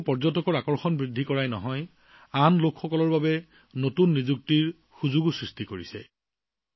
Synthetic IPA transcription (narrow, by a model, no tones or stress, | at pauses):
pɔɹzɔtɔkɔɹakɔɹxɔnbɹidʱːikɔɹajnɔɦɔj | anlokxɔkɔlɔɹbabɛ | notunːizuk̚tiɹ | xuzuɡusɹistikoɹisɛ̰